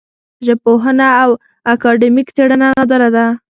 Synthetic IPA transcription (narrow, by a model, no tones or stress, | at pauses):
ʒəpoɦənaːw | akɑɖɪmikt͡s̪eɽənanad̪əɾad̪a